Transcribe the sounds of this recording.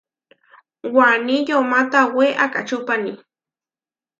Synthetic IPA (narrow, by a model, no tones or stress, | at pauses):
waniʎomat̪aweʔaka̰t͡ʃʊpani